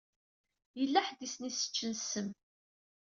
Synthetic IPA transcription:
jəlːæħd̪isnisə̥t͡ʃːənsəm

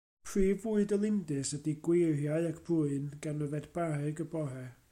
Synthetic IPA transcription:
pʰriːvuɨdəlˠɪndɨsədiɡwerjaɨakʰb̥uɨnɡ̥anəvɛdb̥arɨɡəbɔɦɛ

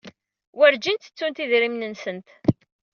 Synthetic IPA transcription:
wæɾd͡ʒint̪ə̥t͡sːunt̪iðɾimnənsənt̪

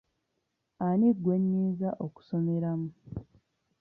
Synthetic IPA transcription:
anidwe̞ɲːiːzaʔoku̥so̞me̞ɾamu

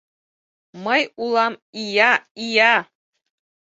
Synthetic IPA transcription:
mɤjulˠɑmijɑijɑ

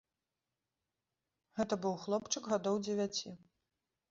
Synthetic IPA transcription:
ɣɛt̪ɐbɨwxlˠɔpt͡ʂɨɡɣad̪ɔwd͡zʲɪvʲat͡sʲi

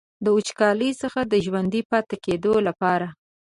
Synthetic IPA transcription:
d̪əut͡ʃkɑləjsəxad̪əʒwand̪ipɑt̪aked̪olapɑɾa

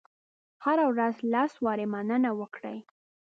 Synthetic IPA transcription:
haɾawɾazlɑswɑɾemanənawəkɽə̰j

